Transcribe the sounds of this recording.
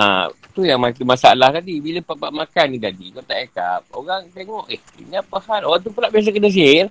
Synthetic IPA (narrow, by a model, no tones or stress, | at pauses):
a̰t̪ujaŋmakimasaalaht̪adibiləpaʔpaʔmakanːidadikot̪aʔeka̰p̚oɣaŋt̪eŋɔʔḭhḭniapəhanoɣaŋt̪̬upəlaʔbias̬akənəs̬il